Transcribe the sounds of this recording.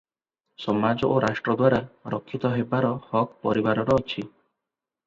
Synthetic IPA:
sɔmad͡ʒɔʔoɾasʈɾɔd̪waɾaɾɔkʰːit̪ɔɦebaɾɔhɔk̚pɔɾibaɾɔɾɔːt͡ʃʰi

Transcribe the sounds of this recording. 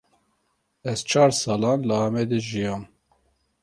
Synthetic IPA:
ɛz̥t͡ʃʰɑːɾsɑːlɑnləɑːmɛd̪eʒijɑm

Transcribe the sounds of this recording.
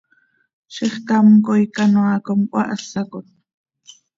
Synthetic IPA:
ʃiχkamkojkanwakomkʷʼa̰ʔasakon

